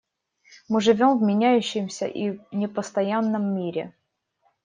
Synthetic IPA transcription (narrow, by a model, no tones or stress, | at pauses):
mɨʐɨvʲomvmʲɪnʲæjʉɕːɪmsʲə̰ʔinʲɪpəst̪ɐjanːəmːʲiɾʲɪ̰